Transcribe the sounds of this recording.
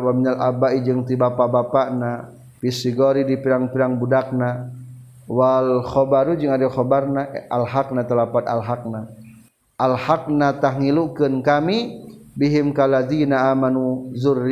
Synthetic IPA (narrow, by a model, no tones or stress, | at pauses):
waminala̰baid͡ʒɨŋt̪ibapabapaʔna | pisiɡoɾidipiɾaŋpiɾaŋbudak̚na | walxɔbaɾud͡ʒɨŋadaxɔbarnaʔalɦak̚nat̪əlapat̪̚a̰lɦak̚na | ʔalhak̚nat̪ahŋilukənkamibiɦimkalad̪inaamanuzuri